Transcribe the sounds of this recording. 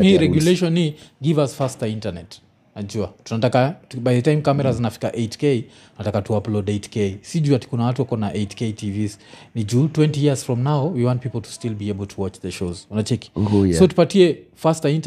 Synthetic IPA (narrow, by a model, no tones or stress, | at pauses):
miɾɛɡjuleʃɔniɡivasfastəĩntanɛt | nad͡ʒuatunatakabajðətãjmkamɛɾazinafi̥kaʔet͡ʃkej | unatakatuaplɔdetkejsiʄuati̥kunawatuwakɔnaʔetketʰiviznid͡ʒuːtwɛ̃ntijiz̥fɹɔmnawwiwãnt̚pipl̩ˠtʰu̥stilbiebəlˠtʰuwɔt͡ʃðɛʃozwanat͡ʃɛki̥sotupatiɛfastaĩnt